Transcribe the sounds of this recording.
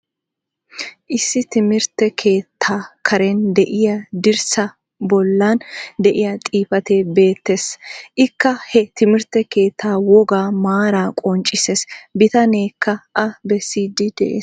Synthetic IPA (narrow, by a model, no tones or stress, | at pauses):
ʔɪsːɪt̪ɪmɪɾt̪ɛkʰe̞ːt̪ʰːaːkʰɐɾɛnd̪ɛʔɪjɐd̪ɪɾsɐ | bɔlːɐnd̪ɛʔɪjɐt̪ʼiːfɐt̪e̞ːbe̞ːt̪ːe̞ːsʔɪkːɐhɛt̪ɪmɪɾt̪ɛke̞ːt̪ʰːaːwɔɡaːmaːɾaːkʼɔnt͡ʃʼːɪseːsbɪt̪ɐne̞ːkʰːɐʔɐbɛsːiːd̪ɪd̪ɛʔḛːs